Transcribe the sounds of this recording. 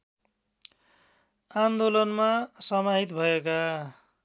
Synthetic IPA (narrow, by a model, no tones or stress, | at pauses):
and̪olʌnmasʌmaɦit̪bʱʌeka